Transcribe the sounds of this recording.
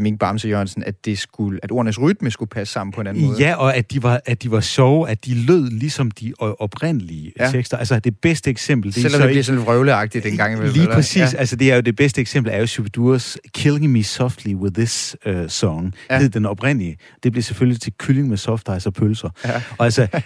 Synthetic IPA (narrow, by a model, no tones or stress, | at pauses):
miɡ̥b̥ɑ̈msəjoænsn̩æd̥e̝sɡ̥uæd̥o̝ːɐnəsʁyd̥məsɡ̥upʰæsːɑ̈m̰n̩pʰɒ̽e̝næn̩ɔðjæɒ̽æd̥iʋɑ̈æd̥iʋɑ̈ɕɒʊæd̥iløð̰ˠlisɒ̽md̥iʔɒ̽b̥ʁen̰əliət͡sʰeɡ̥sd̥ɐælsɐd̥e̝b̥esd̥əeɡ̥sem̰b̥l̩d̥eelɒmde̥liɐsɔnlʁœʊləɑ̈ɡ̥̚d̥id̥enɡ̥ɑ̈ŋ̰liːpʁɛsḭːsælsəd̥e̝æɐjo̝d̥e̝b̥esd̥əeɡ̥sem̰b̥l̩æɐjo̝subd̥uɐskʰelɪ̝ŋmisɒfd̥liwɪðˠːɪsøːɒŋe̝ð̰ˠd̥enɒ̽b̥ʁen̰əliə | d̥e̝b̥le̝seføljlit͡sʰe̝lkʰyle̝ŋmesɒfd̥ɑ̈ɪsɒpʰølsɐɒ̽ælsɐ